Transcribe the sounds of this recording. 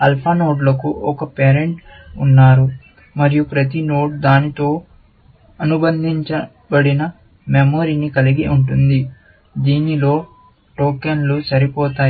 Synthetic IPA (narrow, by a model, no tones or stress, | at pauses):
ɐlpʰaːnoːɖlɐkuʔɔkɐpeːɾe̞ɳʈunːaːɾu | mɐɾijupɾɐt̪ino̞ːʈ̚d̪aːnit̪o̞ː | ɐnubɐnd̪ʱiɲt͡ʃɐ | bɐɽinɐ | memoːɾinikɐliɡiuɳʈund̪i | d̪iːnilo̞ː | ʈoːkenlusɐɾipɔːt̪aː